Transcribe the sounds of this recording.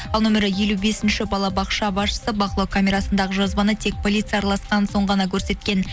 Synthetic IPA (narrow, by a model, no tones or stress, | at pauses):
ɑlˠnomʲe̞ɾəje̞lube̞sɪnʃɪbɑlˠɑbɑqʃɑbɑsʃə̥səbɑqəlˠokʰamʲe̞ɾɑsənd̪ɑʁəʒozbɑnət̪ʰe̞k̚pʰo̞lʲit̪sɨjɑɾlˠɑsqɑnso̞ɴʁɑnɑkʲʰɵɾse̞t̪kʲe̞n